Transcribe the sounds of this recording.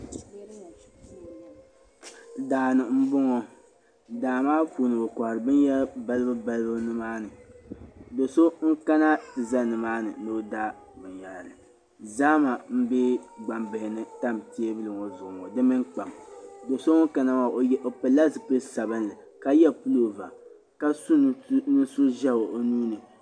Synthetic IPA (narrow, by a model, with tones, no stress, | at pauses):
ɨ˨daː˨nɨ˨m̩˦bo˦ŋɔ˨ | daː˨maː˦fu˨nɨ˨bo˨ka˨hɾɨ˨bɨ˦nja˦ba˦lɨ˦bɨ˦ba˦lɨ˦bɨ˦nɨ˦maː˦nɨ˨ | do˨so˦ŋ̩˦ka˦na˦tɨ˨za˦nɨ˨maː˦nɨ̰˨no˦da˦ | bɨ˨nja˨llɨ˨ | zaː˦ma˨m̩˦be˦ɡ͡ba˨mbɪ˨hɪ˨nɨ˦ta˦mti˦e˦bɨ˦lɨ˨ŋɔ˨zʊ˨ʔʊ˨ŋɔ˨dɨ˦mɨ˦ŋk͡pa˨mdo˨so˦ŋo˦ŋka˨na˦ma˨o˨jʔo˨pɨ˨la˦zɨ˨pɨ˦sa˨bɨ˦nlɨ˨ | ka˦jɛ˦pu˦lo˨va̰˨ | ka˦su˦nɨ˦so˦ʒɛ˦bo˨o˦nuː˦nɨ˨